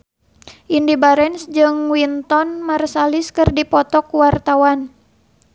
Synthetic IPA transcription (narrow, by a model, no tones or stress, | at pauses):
ʔindibaɾɛnsd͡ʒɨŋwint̪ɔnmarsaliskɨrdipɔt̪ɔkwart̪awan